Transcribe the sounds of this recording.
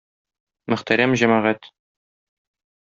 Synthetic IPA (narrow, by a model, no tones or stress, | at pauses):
mɘ̆χt̪æɾæmʑæmæʁæt̪